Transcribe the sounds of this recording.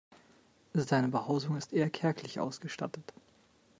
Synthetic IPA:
zaɪnəbəhaʊzʊŋɪstʔeːɐkʰɛɐkʰlɪçʔa̰ʊsɡ̥əʃta̰tət

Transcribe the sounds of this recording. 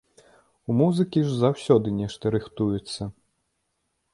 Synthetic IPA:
umuzɨkʲiʐzawsʲɔd̪ɨnʲɛʂt̪ɐɾɨxt̪ujɛt̪sːɐ

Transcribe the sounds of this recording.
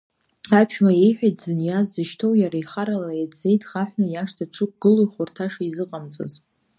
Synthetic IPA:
apʰʃᶣmajejħᶣajtʰʼzɨnjazːɨʃtʰo̞wjaɾaiχaɾalajadd͡ze̞jtʰʼχaħʷᶣnajaʂtʰaʈ͡ʂʷʰɨk̚ʼɡ̥ɨlojχʷʊrtʰaʂaizɨqʼamt͡sʼo̰z

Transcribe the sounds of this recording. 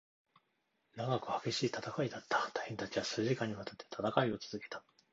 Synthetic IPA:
naɡakɯ̟hḁɡe̞ɕiːt̪at̪akaid̪at̪ːḁt̪ahẽnt̪at͡ɕiβasɨːʑikaɲ̟ːiβat̪at̪ːe̞̥t̪ʰat̪akaio̞t͡sɨzɨke̞̥t̪ḁ

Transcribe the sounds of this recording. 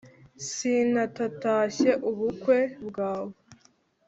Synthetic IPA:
sinatataːɕe̞ʔuβukwe̞bɡaːβo

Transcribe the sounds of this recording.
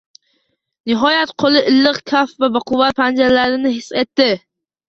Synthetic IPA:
nɪɦɒjat̪qʰolˠɪʔɪlːɪqkʲʰafvabaqʊwat̪̚pʰand͡ʒaɾlaɾɪnɪɦɪse̞t̪ːɪ

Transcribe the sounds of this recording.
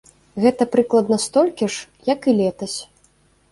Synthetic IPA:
ɣɛt̪ɐpɾɨklˠɐd̪nɐst̪ɔlʲkʲiʂ | jɐkɨlʲɛt̪ɐsʲ

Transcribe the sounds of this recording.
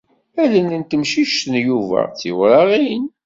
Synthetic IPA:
ælənənt̪əmʃiʃt̪ənjuvæ̰t͡sːiwɾɑʁin

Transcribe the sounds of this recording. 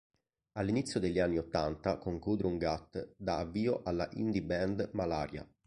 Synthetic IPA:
alːinit̪sjod̪eʎːianːiot̪ːant̪akoŋkuːd̪ɾeuŋɡat̪ːd̪aːvːiːoʔalːaʔḭnd̪ibɛnd̪malaːɾja̰

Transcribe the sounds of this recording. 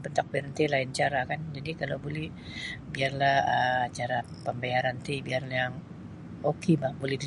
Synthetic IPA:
bənt̪ak̚bɛɾənt̪elaɪnt͡ʃaɾakand͡ʒadikalawbolɛh | biarlahət͡ʃaɾa | pəmbaaɾant̪ibiarlajaŋ | okʰebahbolɛhdi

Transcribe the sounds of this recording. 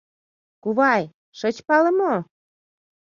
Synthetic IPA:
kuβɑj | ʃə̆t͡ɕpɑlə̆mo

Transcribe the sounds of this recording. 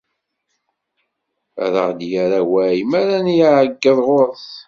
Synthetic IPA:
æ̰ɾə̰ʁd̪jaɾawæjmæɾænjaʕəɡːəðˤʁoɾˤθ

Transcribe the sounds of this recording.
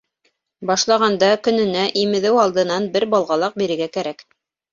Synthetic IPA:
bɑʃlˠɑʁɑnd̪ɑkɵ̆nɘ̆næʔimɘ̆ðɘwɑlˠd̪ɤ̆nɑnbɘɾbɑlˠʁɑlˠɑq̚biɾɘ̆ɾɡækæɾæk

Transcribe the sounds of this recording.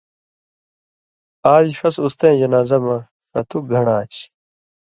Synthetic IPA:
aːd͡ʑiʂɐsust̪ẽːd͡ʑɐnaːzɐmɐ | sɐt̪ʰuɡʱɐɳaːt͡ɕ

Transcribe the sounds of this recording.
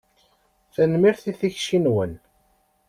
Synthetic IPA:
θænmiɾθiθiçʃinwən

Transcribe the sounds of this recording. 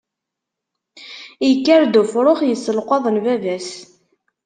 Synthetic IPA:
jəkːæɾd̪ufɾˤoχjəsːəlqʷɑðˤənvævæs

